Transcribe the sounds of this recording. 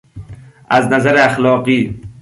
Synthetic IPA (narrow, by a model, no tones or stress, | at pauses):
aznazaɾeaxlɒːqiː